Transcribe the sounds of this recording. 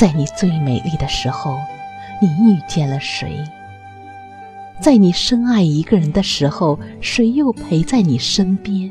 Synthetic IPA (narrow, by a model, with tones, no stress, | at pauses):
t͡sa˥˩ɪni˨˩t͡swe˥˩ɪme˨˩ɪli˥˩d̪ə˩ʂɻ̩˧˥xo˥˧ʊni˨˩y˥˧t͡ɕjɛ˥˩nlə˩ʂwḛ˧˥ɪ | t͡sa˥˩ɪni˨˩ʂɤ˥ŋa˥˩ɪi˧˥ɡə˧ɻə˧˥nd̪ə˧ʂɻ̩˧˥xo˥˧ʊʂwe˧˥ɪjo˥˩ʊpʰe˧˥ɪt͡sa˥˩ɪni˨˩ʂə˥npjɛ˥n